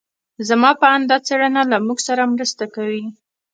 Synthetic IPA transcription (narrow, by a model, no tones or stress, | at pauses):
zamɑpəand̪ɑt͡seɽənalamuɡsaɾamɾəst̪akawi